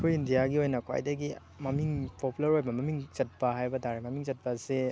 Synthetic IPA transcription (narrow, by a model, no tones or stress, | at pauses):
kʰojindijaɡiojnɐkʰwa̰jdɐɡi | mɐmiŋpʰopulɐɾojbɐmɐmiŋt͡ʃɐt̚pɐɦajbɐdaɾimɐmiŋzɐt̚pɐse